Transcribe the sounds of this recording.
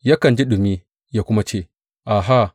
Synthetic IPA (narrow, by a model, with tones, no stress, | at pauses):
ja˦kɐ˨nd͡ʒi˦ɗu˨mi˦ | ja˦kʷʊ˦ma˦t͡ʃeː˦˨ | ʔa˨ɦa˦˨